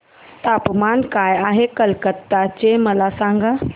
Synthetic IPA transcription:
t̪apmaːnkaːjaːɦekəlkət̪ːat͡ɕeməlasãŋɡʱa

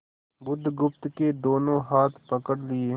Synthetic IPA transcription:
bʊd̪ʱɡʊpt̪ked̪oːnõːɦaːt̪ʰpəkəɽlɪeː

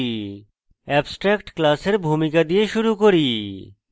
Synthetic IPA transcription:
i | ɛbsʈɾɛkʈklaseɾbʱumikad̪ieʃuɾukoɾi

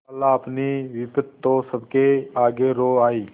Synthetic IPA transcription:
ɐlːaɐpniʋɪpət̪t̪ːõsəbkeaːɡeɾoːaːiː

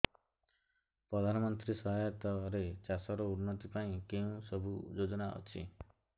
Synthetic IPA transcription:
pɾɔd̪ʱanɔmɔnt̪ɾisɔɦajɔt̪ɔɾet͡ʃasɔɾɔunːɔt̪ipaĩkeũsɔbʱud͡ʒod͡ʒɔnaʔɔ̰t͡ʃʰi

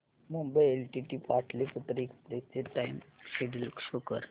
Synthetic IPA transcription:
mumbəjelʈiʈipaʈʰliput̪ɾːkspɾet͡seʈajmɕeɖilkʂukəɾ

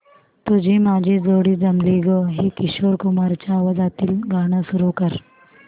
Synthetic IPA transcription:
t̪ud͡ʑʱimad͡ʑʱid͡zoɽiːd͡zəmliɡəɦikiɕoɾkumaɾt͡ɕaːʋad͡zat̪iːlɡaɽ̃əsuɾukəɾ

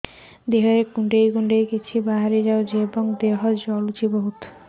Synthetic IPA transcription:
d̪eɦɔɾekuɳɖejkuɳɖejkit͡ɕʰibaɦaɾed͡ʑaod͡ʑebɔŋd̪eɦɔd͡ʑɔlut͡ʃiboɦut̪

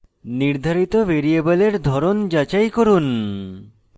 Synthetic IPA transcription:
niɾd̪ʱaɾit̪obeɾiebaleɾd̪ʱɔɾond͡ʑat͡ɕajkoɾun

